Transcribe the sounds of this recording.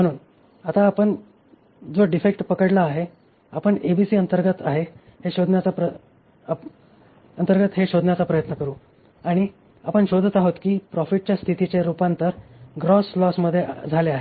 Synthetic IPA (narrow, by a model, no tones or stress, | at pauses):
m̤əɽ̃uːn | at̪aːpəɳ | d͡zoɖifek̚ʈpəkəɽlaːɦe | apəɳebisiːənt̪əɾɡət̪aɦe | heɕod̪ʱnjat͡sapə | ənt̪əɾɡət̪ɦeɕod̪ʱnjat͡sapɾəjət̪nəkəɾuː | aɽ̃i | a̰pəɳɕod̪ʱət̪aɦot̪kiːpɾɔfiʈ̚t͡ɕjast̪ʰit̪it͡ɕaɾupant̪əɾɡɾɔslɔsməd̪ʱːjeʔd͡zʱaleaɦe